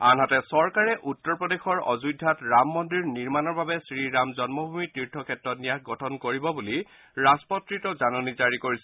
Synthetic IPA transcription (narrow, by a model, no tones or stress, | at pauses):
anɦatɛsɔɹkaɹɛʔutːɔɹpɹɔdexɔɹɔ̰zujdʱːatɹamːɔndɹiɹniɹmanɔɹbabɛsɹiɹamzɔnmɔbʱumitiɹtʰːɔkʰɛtɹɔtnijakɡɔtʰɔnkoɹibɔbuli | ɹaspɔtɹitɔzanɔnizaɹikoɹisɛ